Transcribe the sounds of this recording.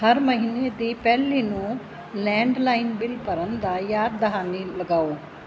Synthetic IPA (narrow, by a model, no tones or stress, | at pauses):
həɾməɦiːneːd̪iːpɛːliːnũː | lɛ̃ːɳɖlaːɪnbɪlpəɾənd̪aːjaːɾd̪əɦaːniːləɡaːoː